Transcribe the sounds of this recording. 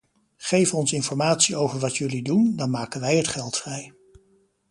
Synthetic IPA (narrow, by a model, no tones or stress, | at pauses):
χejvənɔnsɪnfɔɹmaːtsiowvəɹʋɑtʰjɵlidundɑnmaːkənʋɛjɦətχɛlˠtfrɛj